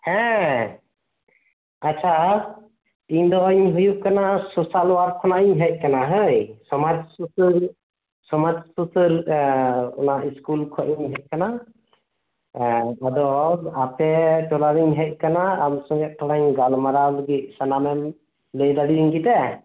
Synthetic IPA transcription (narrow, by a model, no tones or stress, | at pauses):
hɛ̃ | at͡ʃʰa | tiɲd̪ɔiɲɦujuʔ̚kanasɔsalɔwaɾkʰɔnaʔiɲɦɛc̚ˀkanaɦəjsɔmad͡ʒsusəɾ | sɔmad͡ʒsusəɾ | ɔ̰naʔiskulkʰɔʔiɲɦɛc̚kana | ad̪ɔapʰɛʈɔlaɾiɲɦɛc̚ˀkanaːmsɔŋɡɛʔ̚tɔɽaɲɡalmaɾaləɡit̪̚sanamɛm | ləjd̪aɽiiɲɡit̪ɛ